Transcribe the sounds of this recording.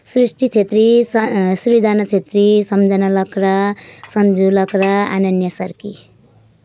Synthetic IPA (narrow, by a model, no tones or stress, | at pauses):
srisʈit͡sʰet̪risuβid̪ʱanʌt͡sʰet̪risʌmd͡zʌnʌlʌkrʌsʌnd͡zulʌkrʌa̰nʌnjʌsʌrki